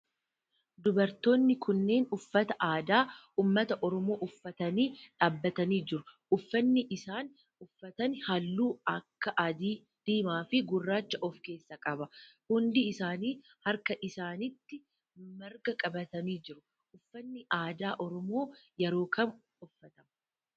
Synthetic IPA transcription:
d̪ʊbɐɾt̪o̞ːnːɪkʰʊnːe̞ːnʊfːɐt̪ɐʔaːd̪aː | uːmːɐt̪ɐʔɔɾɔmo̞ːʔʊfːɐt̪ɐniːᶑaːbːɐt̪ɐniːd͡ʒɪɾʊʔʊfːɐnːɪʔɪsaːn | ʊfːɐt̪ɐnhɐlːuːɐkːɐʔɐd̪iː | d̪̥iːmaːfɪɡʊrːaːt͡ʃːɐʔɔfke̞ːsːɐkʼɐbɐhʊnd̪ɪɪsaːniː | hɐɾkɐʔɪsaːnɪt̪ːɪ | mɐɾɡɐkʼɐbɐt̪ɐniːd͡ʒɪɾʊ | ʊfːɐnːɪʔaːd̪aːʔɔɾɔmo̞ːjɛɾo̞ːkɐn | ʊfːɐt̪ɐmɐ

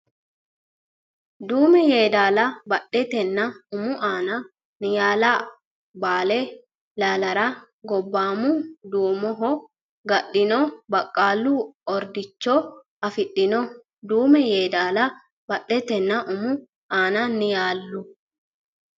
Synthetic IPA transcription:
d̪uːmɛjeːd̪aːlɐbɐɗːɛt̪ɛnːɐʊmʊʔaːnɐ | nɪjaːla | baːlɛ | laːlɐɾɐ | ɡɔbːaːmʊd̪uːmɔɦɔ | ɡɐɗːɪnɔbɐkʼːaːlːuɔɾd̪ɪt͡ʃːɔ | ɐfɪɗɪnɔ | d̪uːmɛjeːd̪aːlɐ | bɐɗːɛt̪ɛnːɐʔʊmʊ | aːnɐnɪjaːlːʊ

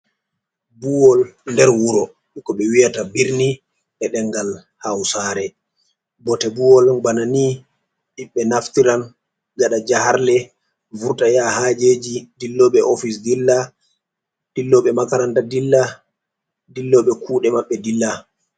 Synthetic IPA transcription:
buwɔlndɛɾwuɾɔ | ɓikɔɓɛwijatabiɾni | ɓɛɗɛŋɡal | hawsaːɾɛ | bɔtɛbuwɔlbanani | ɗiɓɛnaftiɾan | ɡaɗad͡ʒahaɾlɛ | vuɾtajahaːd͡ʒeːd͡ʒidilːɔɓɛʔɔfis̬dilːa | d̥ilːɔɓɛmakaɾandadilːa | dilːɔɓɛkʰuːɗɛmaɓːɛdilːa

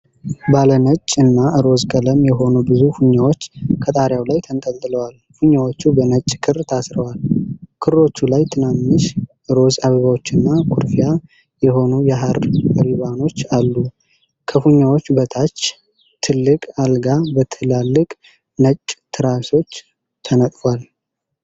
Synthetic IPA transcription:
balənət͡ʃʼːɨnːaɨɾo̞zkʼələmjɛɦo̞nubɨzufuɲːawo̞t͡ʃːkʰət̪ʼaɾjawlajt̪ʰənt̪ʼəlt̪ʼɨləwal | fuɲːawo̞t͡ʃːubənət͡ʃʼːkʰɨrt̪ʰasɾəwalkʰɨɾːo̞t͡ʃːulajt̪ʰɨnamːɨʃʔɨɾo̞zaβəβawo̞t͡ʃːɨnːakʰuɾfija | jɛɦo̞nujɛɦaɾɾiβano̞t͡ʃːalːu | kʰəfuɲːawo̞t͡ʃːbət̪ʰat͡ʃ | t̪ʰɨlːɨkʼalɡabət̪ʰɨlalːɨkʼ | nət͡ʃʼːt̪ʰɨɾaso̞t͡ʃː | t̪ʰənət̪ʼfwal

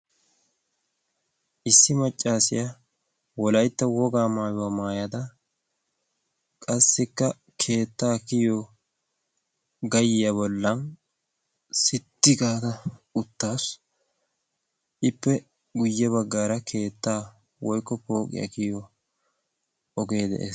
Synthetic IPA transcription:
ʔɪsːɪmɐt͡ʃʼːaːsɪ̰jɐ | wɔlɐjt̪ːɐwɔɡaːmaːjʊwɐmaːjɐd̪ɐ | kʼɐsːɪkːɐ | kʰe̞ːt̪ːaːkɪjo | ɡɐjɪjɐbɔlːɐn | sɪt̪ːɪkʼaːt̪ɐʊt̪ːaːs | ʔɪpːɛ | ɡʊjːɛbɐɡːaːɾɐkʰe̞ːt̪ːaː | wɔjkːɔpo̞ːkʼɪ̰jɐ̰kɪjɔ | ɔɡe̞ːd̪ɛ̰ʔḛː

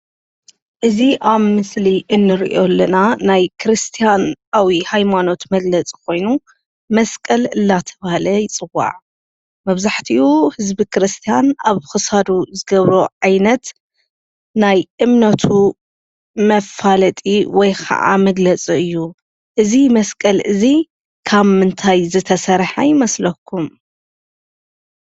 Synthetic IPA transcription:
ʔɨziʔaβmɨsliʔɨnːɨɾḭʔo̞lːɐnanajkʰɨɾɨst̪ʰijanʔawihajmano̞t̪mɐɡlɐt͡sʼi̥kʰo̞jnu | mɐskʼɐlɨlːat̪ʰɐβahalɐjɪt͡sʼɨwːa̰ʕ | mɐβzaħt̪ʰiuhɨzbikʰɨɾɨst̪ʰijanʔaβxɨsad̪uzɨɡɐβɾo̞ʕajnɐt̪ | najʔɨmnɐt̪ʰu | mɐfalɐt̪ʼiwɔjkʰɐ̰ʔa̰mɐɡlɐt͡sʼiɨjːu | ʔɨzimɐskʼɐlɨzi | kʰaβmɨnt̪ʰajzɨt̪ʰɐsɐɾħajɪmɐslɐkʰːum

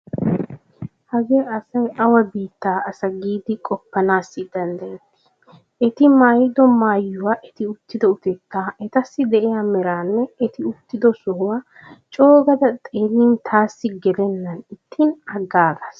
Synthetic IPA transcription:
hɐɡeːʔɐsɐjʔɐwɐbiːt̪ːaːɐsɐɡiːd̪ɪkʼɔpːɐnaːsːɪd̪ɐnd̪ɐjɛt̪ːɪ̥ | ʔɛt̪ɪmaːjɪd̪ɔmaːjːʊwaːʔɛt̪ɪʊt̪ːɪd̪ɛʊt̪ɛt̪ːaːɛt̪ɐsːɪd̪ɛʔɪjamɛɾaːnːɛɛt̪ɪʊt̪ːɪd̪ɔsɔhʊwaː | t͡ʃʼo̞ːɡɐd̪ɐt̪ʼeːniːnt̪ʰaːsːɪɡɛd̪ɛnːɐnɪt̪ʰːinɐɡːaːɡas

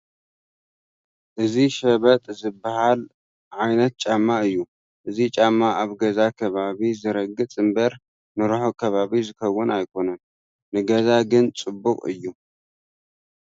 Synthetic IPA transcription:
ʔɨziʃɐβɐt̪ʼzɨbːahal | ʕajnɐt̪̚t͡ʃʼamːaɨjːu | ʔɨzit͡ʃʼamːaaβɡɐzakʰɐβaβizɨɾɐɡːɨt͡sʼɨmbɐɾ | nɨɾuħokʰɐβaβizɨkʰɐwːʊnajkʰo̞nɐnː | ɨɡɐzaɡɨnt͡sʼɨbːukʼɨ̰jːu

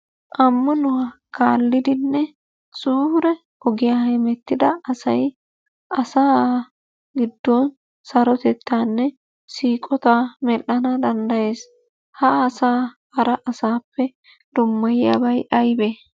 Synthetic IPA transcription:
ʔɐmːɐnʊwakaːlːɪd̪ɪnːɛ | suːhʊɾɛ | hɔɡɪjahɛmɛt̪ːɪd̪ɐʔɐsɐj | ʔɐsaː | ɡɪd̪ːɔn | sɐɾɔt̪ɛt̪ːaːnːɛ | siːkʼɔt̪amɛlːɐnɐd̪ɐnd̪ɐje̞ːs | hɐːsaː | ɐɾɐʔɐsaːpːɛ | d̪̥ʊmːɐjɪjɐ̰bɐjʔɐjbe

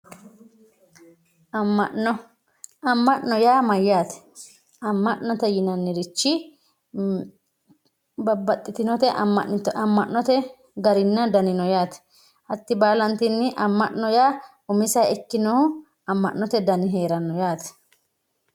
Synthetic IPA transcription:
ɐmːɐʔɔ | ɐmːɐʔnːɔjaːmɐjːaːt̪ɛ̥ | ɐmːɐʔnɔt̪ɛjɪnɐnːɪɾɪt͡ʃːɪ | bɐbɐt̪ʼːɪt̪ɪnɔt̪ɛʔɐ̰mːɐ̰ʔɪt̪ɐmːɐʔnɔt̪ɛ | ɡɐɾɪnːɐd̪ɐnɪnɔjaːt̪ɛ̥ | ʔɐt̪ːɪbaːlɐnt̪ɪnːɪʔɐmːɐ̰ʔnɔjaː | ʊmɪsɐjɛkːɪnɔhʊ | ɐmːɐ̰ʔnɔt̪ɛd̪ɐnɪɦeːɾɐnːɔjaːt̪ɛ̥

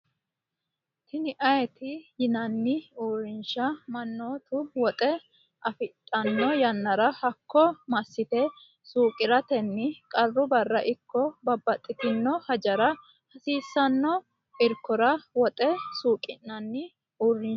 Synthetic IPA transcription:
t̪ɪnɪʔɐjɛt̪ɪjɪnɐnːɪuːrːɪnʃɐmɐnːoːt̪ʊwɔt̪ʼɛ | ʔɐfɪt̪ʼːɐnːɔjɐnːɐɾɐhɐkʰːɔmɐsːɪt̪ɛ | suːkʼɪɾɐt̪ɛnːɪkʼɐrːʊbɐrːɐʔɪkːɔbɐbːɐt̪ʼːɪt̪ɪnːɔhɐd͡ʒɐɾɐ | hɐsiːsːɐnːɔ | ʔɪɾkːɔɾɐwɔt̪ʼɛsuːkʼɪnːɐnːɪ | uːrːɪnʃ

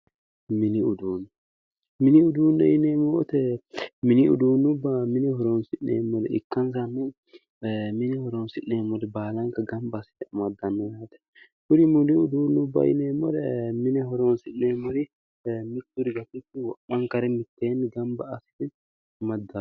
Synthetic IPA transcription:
mɪniʊd̪uːnɛ | mɪnɪʊd̪uːnːɛɪneːmɔt̪ɛmɪnɪṵd̪uːnːʊbːɐmɪnɛhɔɾoːnsɪʔnḛːmːɔd̪ɛ̰ɪ̰kːɐns̬anːɛ | mɪnɛhɔɾonsɪʔːeːmːɔd̪ɛbaːlɐŋkɐɡɐmbsɪ̥t̪ɛɐmɐd̪ːɐnːɔjaːt̪ɛ̥ | hʊɾɪmʊniʊd̪uːnːʊbːɐ̰ɪ̰neːmːɔd̪ɛmɪnɛɦɔɾonsɪʔeːmːɔɾɪ | mɪt̪ːuɾɪɡɐt̪ːɪt̪ːɪwɔʔɐŋkɐɾɛmɪt̪ːeːnɡɐmbɐːsɪ̥t̪ɛ | mɐd̪ːa

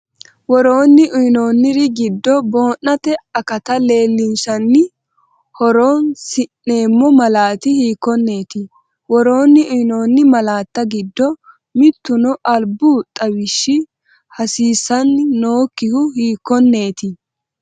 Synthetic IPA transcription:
wɔɾoːnːɪʔʊjno̞ːnːɪɾɪɡɪd̪ːɔbo̞ːnːɐt̪ɛɐkɐt̪ɐle̞ːlːɪnsɐnːɪ | hɔɾoːnsɪnːe̞ːmːɔmɐlaːt̪ɪhiːkːɔnːe̞ːt̪ɪ | wɔɾo̞ːnːɪʊjno̞ːnːɪmɐlaːt̪ːɐɡɪd̪ːɔ | mɪt̪ːʊnɔʔɐlbʊt̪ʼɐwɪʃːɪ | hɐsiːsɐnːo̞ːkːɪhʊhiːkːɔnːe̞ːt̪ɪ

